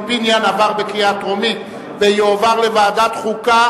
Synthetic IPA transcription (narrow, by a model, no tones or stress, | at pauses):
binjanavaʁbekijat̪ʁomi | vejoːvaʁlevaːd̪at̪χuka